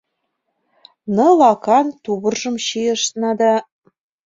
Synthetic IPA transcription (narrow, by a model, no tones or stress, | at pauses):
nɤ̆lɑkɑnt̪uβɤ̆rʒɤ̆mɕijɤ̆ʃnɑd̪ɑ